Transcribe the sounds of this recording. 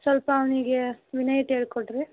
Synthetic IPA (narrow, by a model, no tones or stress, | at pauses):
sʋɐlpɐːʋniɡeʋinɐjʈeːɽkoʈɾi